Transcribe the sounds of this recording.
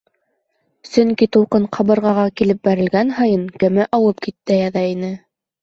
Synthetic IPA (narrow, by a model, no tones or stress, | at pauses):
sɵ̆ŋkit̪ŭwqɤɴqʰɑβɤ̆ɾʁɑʁɑkilɘp̚bæɾɘ̆lɡænɦɑjɤnkɘ̆mɘʔɑwɤp̚kit̪ːɘjæðæinɘ